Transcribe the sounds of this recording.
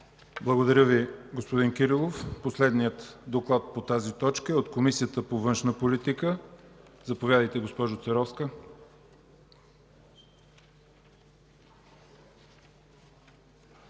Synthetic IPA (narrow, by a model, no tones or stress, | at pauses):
blˠəɡod̪ɐɾʲəviɡospod̪inkʲiɾilˠofposlɛd̪nijət̪d̪oklˠat̪̚pot̪azit̪ɔt͡ʃkəɛot̪komisijət̪əpovɤnʃnəpolit̪ikə | zɐpovʲjad̪əjt̪ɛɡospɔʒot̪sɛɾɔfskə